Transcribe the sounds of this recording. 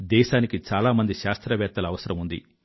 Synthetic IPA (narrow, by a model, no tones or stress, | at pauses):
d̪ɛːʃaːnikit͡ʃaːlaːmɐnd̪iʃaːst̪ɾɐʋɛːɾ̚t̪ːɐlɐʋɐsɐɾɐmund̪ḭ